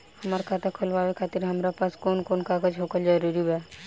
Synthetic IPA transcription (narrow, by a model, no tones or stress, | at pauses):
həmaɾkʰat̪akʰolbabekʰat̪iɾɦəmɾapaskonkonkaɡəd͡ʒɦokəld͡ʒəɾuɾibɛ